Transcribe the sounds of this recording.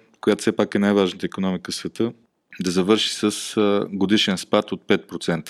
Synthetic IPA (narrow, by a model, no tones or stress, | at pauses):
kojat̪o̥sɛpakɛnajvaʒnət̪əikonɔmikəfsvɛt̪ɤ | d̪ɐzɐvɤɾʃi̥səsɡod̪iʃɛnspat̪ot̪̚pɛt̪̚pɾot̪sɛnt̪ə̥